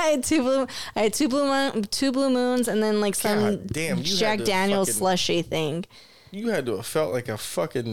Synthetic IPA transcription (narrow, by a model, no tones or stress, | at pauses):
aɪɨd̚tʰʉblu | aɪɨd̚tʰʉblumtʰʉblumũnzɨ̃nðɨ̃nlaɪksʌ̃m | d͡ʒæk̚d̥æ̃njl̩ˠslʌʃiθɪ̃ŋ | jɨɨd̚tɨəv̥fɛlˠʔlaɪkɨfʌkɨ̃n